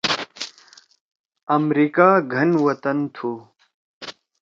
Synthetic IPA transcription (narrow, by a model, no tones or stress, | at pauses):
ɐmɾikaːɡʱɐnʋɐt̪ɐnt̪ʰuː